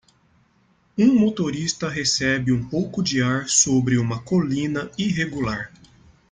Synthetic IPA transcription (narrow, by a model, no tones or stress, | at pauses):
ũmot̪oɾist̪ɐɦesɛbɪũpowkʊd͡ʒiaɾsobɾɪũmɐkolĩnɐiɦeɡulaɾ